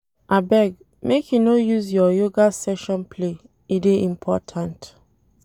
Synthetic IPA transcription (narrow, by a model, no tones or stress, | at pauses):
ʔabɛɡ | mekʰjunojuzjɔjoɡasɛʃɔ̃npʰle | ideĩmpʰɔtʰãnt